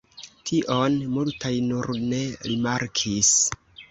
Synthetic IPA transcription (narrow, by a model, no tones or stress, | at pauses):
tʰiʔonmultajnuɾne̞ɾimaɾkʰis